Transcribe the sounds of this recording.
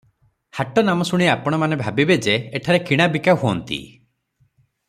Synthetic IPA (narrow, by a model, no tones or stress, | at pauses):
haʈɔnamɔsuɽ̃iapɔɽ̃ɔmanebʱabibed͡ʒeːʈʰaɾekiɽ̃abikaɦuɔnt̪ḭ